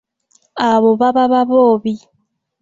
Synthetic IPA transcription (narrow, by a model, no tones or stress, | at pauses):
aβoβaβaβaβoːβi